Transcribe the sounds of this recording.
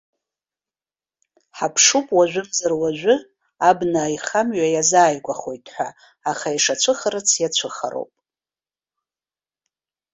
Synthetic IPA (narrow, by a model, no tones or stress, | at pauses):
ħapʰʂupʼwaʒᶣʷʊbzarwaʒᶣʷɨ | abnajχamɥajazaːjɡʷaχo̞jtʼħʷᶣa̰ː | χaiʂat͡ʃʷʰɨχaɾɨt͡sʰjat͡ɕʷʰɨχa̰ɾo̰wpʼ